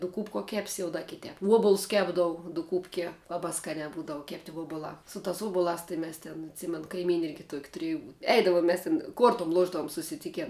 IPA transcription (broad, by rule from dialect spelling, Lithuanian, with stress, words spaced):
dʊˈkuːpkuɔ ˈkʲæːpʲsʲɪ jɛʊ dɐ kʲɪˈtʲɛːp ˈuɔbʊlˠʊs ˈkʲæːbdɐʋʊ dʊˈkuːpʲkʲiɛ ˈlˠɑːbɑː ˈskɑːnʲɛː ˈbuːdɐʋʊ ˈkʲæːpʲtʲɪ ˈʋuɔbʊlˠɑː sʊ tɑːs ˈuɔbʊlˠɑːs tɐɪ ˈmʲɛs tʲɪn ɐtʲˈsʲiːmʲɛn kɐɪˈmʲiːnʲɪ ˈɪrʲɡʲɪ tuɔkʲ tʊˈrʲɪjʊ ˈɛɪdɐʋoːm mʲɛs tʲɪn ˈkuɔrtʊm ˈlˠuɔʒdɐʋʊm sʊsʲɪˈtʲɪkʲɛn